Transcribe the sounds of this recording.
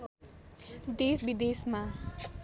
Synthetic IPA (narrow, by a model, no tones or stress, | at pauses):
d̪esbid̪esma